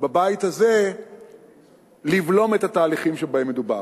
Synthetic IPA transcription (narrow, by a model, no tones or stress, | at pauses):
babait̪haze | livlo̞met̪hat̪aːliχimʃebaemːeduba̰